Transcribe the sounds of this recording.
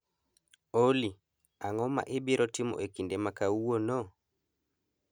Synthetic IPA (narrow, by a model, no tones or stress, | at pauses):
oli | aŋɔma̰ʔebiɾʔɔtimɔ̰ʔekindɛmakauwonɔ